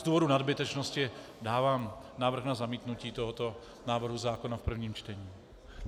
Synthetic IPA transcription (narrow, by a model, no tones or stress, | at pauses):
zd̪uːvodunad̪bɪt̪ɛt͡ʃnoscɪ | daːvaːm | naːvɾr̩ɣnazamiːt̪nuciːt̪oɦɔt̪o | naːvr̩ɦuzaːkonafpr̩vɲiːmt͡ʃt̪ɛɲiː